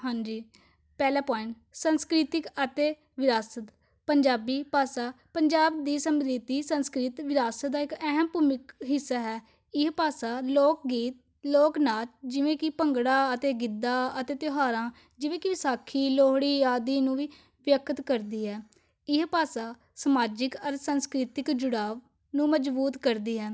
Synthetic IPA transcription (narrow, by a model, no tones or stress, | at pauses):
ɦãːɲd͡ʒiː | pɛːlaːpaːɪ̃ɳʈ | sənskɾɪt̪ɪkət̪eː | ʋɪɾaːsət̪ | pəɲd͡ʒaːbiːpaːsaː | pəɲd͡ʒaːbd̪iːsəmd̪iːt̪iːsənskɾɪt̪ʋɪɾaːsəd̪aːɪkɛɦəmpuːmɪkɦɪsːaːɦɛː | ɪɦpaːsaːloːk̚ɡiːt̪̚ | loːknaːld͡ʒɪʋẽːkɪpəŋɡɽãːət̪eːɡɪd̪ːãːət̪eːt̪ɪɦaːɾãː | d͡ʒɪʋẽːkɪʋɪsaːkʰːiːloːɦɽiːaːd̪iːnũːʋiː | ʋjəkət̪kəɾd̪iːɦɛː | ɪɦpaːsaː | səmaːd͡ʒɪkəɾsənskɾɪt̪ɪkd͡ʒʊɽaːʋ | nũːməd͡ʒbuːt̪kəɾd̪iːɦɛː